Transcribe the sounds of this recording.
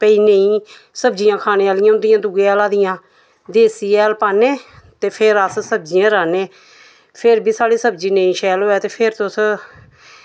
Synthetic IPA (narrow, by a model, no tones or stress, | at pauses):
pəiːnəĩː | səbd͡ʒɪjãːkʰaːneːaːlɪjãːʊnd̪ɪjãːd̪uɡeːɛːlaːd̪ɪjãː | d̪eːsiːɛːlpaːneː | t̪eːpʰɪɾəssəb̚d͡ʒɪjãːɾaːneː | pʰɪɾbiːsaːɽiːsəbd͡ʒiːnə̃ĩːʃɛːlɦoːɛːt̪eːpʰɪɾt̪ʊs